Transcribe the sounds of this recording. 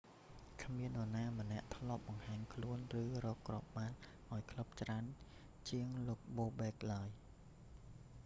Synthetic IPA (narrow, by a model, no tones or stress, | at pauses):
kʰmiənɗonaːmə̆nɛ̆əʔt̪ʰlŏəp̚ɓɑŋhaːɲkʰluənrɨːrɔːkːrŏəp̚ɓaːn | ʔaɔjkʰlup̚t͡ɕraən | t͡ɕiəŋloːk̚ɓoːɓɛːk̚laəj